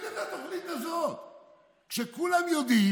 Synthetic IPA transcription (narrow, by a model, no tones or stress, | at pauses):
et̪hat̪oχnit̪azot̪ | kʃekulamjod̪i